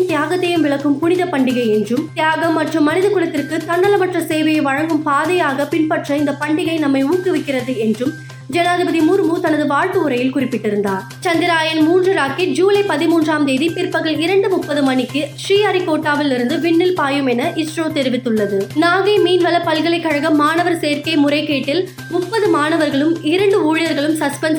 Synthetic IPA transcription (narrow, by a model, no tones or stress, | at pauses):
mt̪jaːɣɐt̪ːɐjɯmʋɪɭɐkːɯmpʊnɪðɐpɐɳɖɪɣɐɪɛndrɯmt̪ɪjaːɣɐmːɐʈrɯmːɐnɪðɐkɯɭɐt̪ːɪrkɯt̪ɐɳːɐlɐmɐʈrɐseːʋɐjɐɪʋɐɻɐŋɡɯmpaːðɐjaːɣɐpɪnpɐʈrɐɪnd̪ɐpɐɳɖɪɣɐɪnɐmːɐɪuːkːɯʋɐɪkːɪɾɐðɯɛndrɯm | d͡ʒɛnaːðɪbɐðimuɾmut̪ɐnɐðɯʋaːɻt̪ɯɯɾɐjɪlkʊrɪpːɪʈːɪɾɯnd̪aːɾ | t͡ʃɐnd̪ɪɾaːjɐnmuːndrɯɾaːkid͡ʒuːlɐɪpɐðɪmuːndraːmd̪eːðipɪɾpɐɣɐɭɪɾɐɳɖɯmʊpːɐðɯmɐnɪkːɯʂriːɐɾɪkoːʈːaːʋɪlɪɾɯnd̪ɯʋɪɳːɪlpaːjɯmɛnɐʔɪsʈroːt̪ɛɾɪʋɪt̪ːɯɭːɐðɯnaːɣɐɪmiːnʋɐlɐpɐlɣɐɭɐɪkːɐɻɐɣɐmːaːnɐʋɐɾseːɾkɐɪmʊɾɐɪkːeːʈːɪl | mʊpːɐðɯmaːnɐʋɐɾɣɐɭɯmɪɾɐɳɖɯuːɻɪjɐɾɣɐɭɯmsɐspɛns